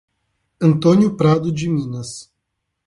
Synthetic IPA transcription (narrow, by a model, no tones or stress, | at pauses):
ɐ̃nt̪õnjʊpɾad̪ʊd͡ʒɪmĩnɐs